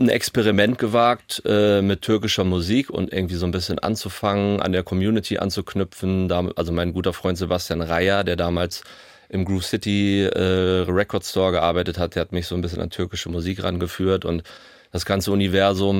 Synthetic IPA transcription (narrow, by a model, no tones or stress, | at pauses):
n̩ʔɛ̰kspeʁimɛntɡ̥əvaːk̚tʔɛːmɪtʰːʏɐkɪʃɐmuziːkʊ̰ntʔɪ̰ɐɡŋ̩tv̥iːzoːnbɪsçənʔa̰nt͡sufaŋənʔa̰ndeːɐkʰɔmjuːnɪtʰiʔa̰nt͡sukʰnʏpp͡fn̩daːʔalzomaɪnɡuːtɐfʁ̥ɔʏntz̥ebastjaːnʁaɪɐdeːɐdaːmaːls | ʔɪmɡʁuːfsɪtiʔɛːʁɛkʰɔɐtstʰɔːɐɡəʔaɐbaɪtəthat̚d̥eːɐhatmɪçz̥oːnbɪs̬çəna̰ntʰʏɐkɪʃəmuziːkʁanɡəfyːɐtʊnt | d̥asɡ̥ant͡səunivɛɐzʊm